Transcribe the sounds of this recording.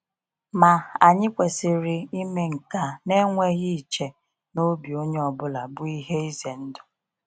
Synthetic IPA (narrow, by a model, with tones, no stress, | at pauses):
ma˨a˨ɲɪ˦kʷe˨sɪ˨ɾɪ˨i˦me˦ŋ̩˨ka˨ne˦ŋʷe˦ɣi˦˨t͡ʃe˨ | no˦bi˨o˦ɲe˦ɔ˨bʊ˦la˨bʊ˦i˦ɦe˦i˦ze˨n̩˦dʊ˨